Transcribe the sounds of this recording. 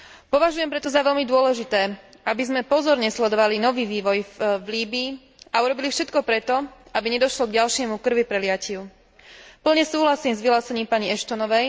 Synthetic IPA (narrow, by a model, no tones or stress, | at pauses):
pɔʋaʒujɛmpɾɛt̪ɔzaʋɛʎmid̪ʊɔlɛʒit̪ɛː | ʔabizmɛpɔzɔɾɲɛslɛd̪ɔʋalinɔʋiːʋiːʋɔjvliːbiː | auɾɔbilifʃɛt̪kɔpɾɛt̪ɔabiɲɛd̪ɔʃlɔɡɟalʃɪɛmukr̩ʋipɾɛlɪaciʊ | pl̩ɲɛsuːɦlasiːmzʋilaːsɛɲiːmpaɲiɛʃt̪ɔnɔʋɛj